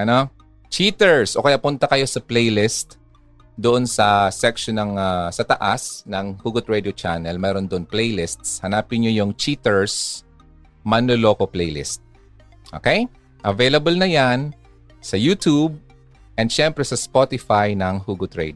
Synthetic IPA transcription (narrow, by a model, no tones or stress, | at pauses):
ʔɐno | t͡ʃit̪ɛɹsʔo̞kɐjapʊnt̪ɐkɐjo̞sɐplɛjlɪst̪ | d̪oʔonsɐsɛkʃonɐŋasɐt̪ɐʔasnɐŋhuːɡʊt̪̚ɹɛd̪jot͡ʃa̰nɛlmɛːɾond̪oʔonplɛjlɪst̪shɐnaːpɪnɲojʊŋt͡ʃit̪ɛɹs | mɐnoloːkoplɛjlɪ̰st̪̚ | ʔo̰kɛj | ʔɐvejlɐbɐlnɐjan | sɐjuːt̪ub̚ | ʔɛnd̪ʃɛmpɾɛsɐspot̪ɪfajnɐŋhuːɡʊt̪ɹɛ̰d̪